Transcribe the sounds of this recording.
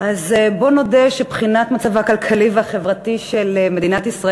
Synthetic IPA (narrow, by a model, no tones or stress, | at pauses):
ʔazbo̞no̞deʃebχinatmat͡savakalkʰalivehaχe̞vʁatiʃeleme̞d̪inat̪isʁa